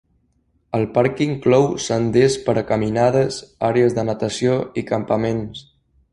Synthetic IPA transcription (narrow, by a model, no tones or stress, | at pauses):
əlˠpaɾkiŋklɔwsənd̪espəɾəkəminaðəzaɾeəzðənət̪əsioikəmpəmens